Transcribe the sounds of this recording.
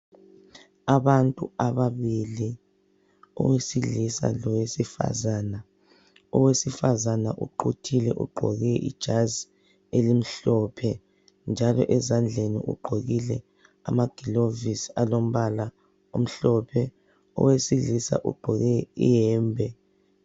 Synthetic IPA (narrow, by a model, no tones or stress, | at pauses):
aβantʼuaβaβili | ɔ̰wesilisa̰lɔwesifa̰zana | ɔwesifazanaʔṵǃutʰilɛʔṵɡ͡ǃʱɔɣɛʔḭd̥ʒ̥ʱazi | elim̩ɬɔpʰɛ | nd͡ʒʱalɔ̰ʔɛzand͡ɮʱenḭʔṵɡ͡ǃʱoɣilɛ | a̰maɡ̥ʱilovisalom̩βala | um̩ɬɔpʰɛ | ɔ̰wesilisa̰ʔṵɡ͡ǃʱɔɣɛijɛːmbʱɛ